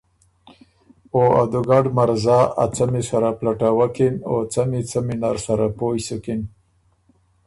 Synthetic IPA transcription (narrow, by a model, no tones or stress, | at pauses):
oa̰d̪uɡaɖmaɾzɑa̰t͡samisaɾaplaʈawakinot͡samit͡saminaɾsaɾapojsukɪn